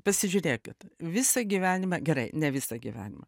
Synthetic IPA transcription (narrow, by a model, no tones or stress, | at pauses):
pɐsʲɪʒʲʊɾʲeːkʲɪt̪ʋʲɪsɐɡʲiːʋʲæːnʲɪmɐɡʲɛɾɐɪnʲɛʋʲɪsɐɡʲḭʋʲæ̰ːnʲɪmɐ